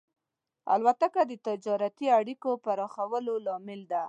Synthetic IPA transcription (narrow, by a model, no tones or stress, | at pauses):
a̰lwat̪akad̪ət̪ɪd͡ʒɑɾat̪iaɽikopaɾɑxawəlolɑmɪld̪a